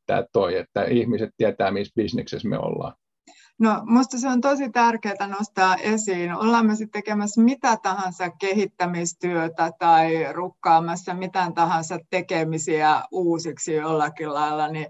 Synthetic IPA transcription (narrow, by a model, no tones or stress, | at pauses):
t̪æ̰ːt̪t̪oiet̪ːæihmiset̪t̪iæt̪æːmisb̥isnḛksesmḛo̰lːɑ̰ː | nomust̪ɑseont̪osit̪ærkeːt̪ænost̪ɑːʔesiːno̰lːɑːmmesit̪t̪ekemæsmit̪æt̪ɑhɑ̃nsɑkkehit̪ːæmist̪yøt̪æt̪ɑirukːɑːmɑsːɑmit̪ænt̪ɑhɑ̃nsɑt̪tekemisiæuːsiksijolːɑkillɑilːɑni